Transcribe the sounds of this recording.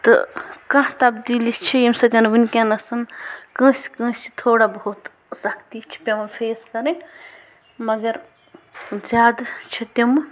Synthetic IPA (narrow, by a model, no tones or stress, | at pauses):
t̪ɐ̰kɐ̃ɦt̪ɐbd̪ilist͡ʃʰijimsɐt̪ʲɐnbinʲkenɐsɐnkə̃ːskə̃st͡ʃʰi̥t̪ʰoːɽabɐɦut̪ | sɐkʰt̪it͡ʃʰi̥pʲemɐnpʰeːskɐɾẽ | mɐɡɐɾ | d͡ʒjaːd̪t͡ʃʰit̪ɐm